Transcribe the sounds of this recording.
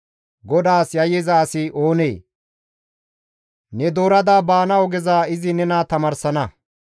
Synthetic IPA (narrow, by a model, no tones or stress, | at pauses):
ɡɔd̪aːsjɐjɛzaːsɪʔo̞ːneː | nɛd̪o̞ːɾɐd̪aːbaːnɐɔɡɛzaːɪzɪnɛnat̪ɐmɐɾsɐnɐ